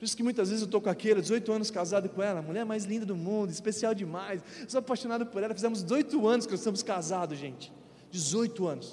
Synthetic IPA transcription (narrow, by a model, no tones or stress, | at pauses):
ppoɾisʊkɪmũj̃t̪̬ɐzvezɪzewt̪okõakelɐd͡ʒɪzojt̪ʊɐ̃nʊskazad̪ʊkõɛlɐmuʎɛɾmajzlĩnd̪ɐd̪ʊmũnd̪ʊispesiawd͡ʒɪmajsewsoapajʃonad̪ʊpʊɾɛlɐfizẽmʊzzojt̪ʊɐ̃nʊskɪnɔstẽmʊskazad̪ʊzʒẽt͡ʃɪ̥ | d͡ʒɪzojt̪ʊɐ̃nʊs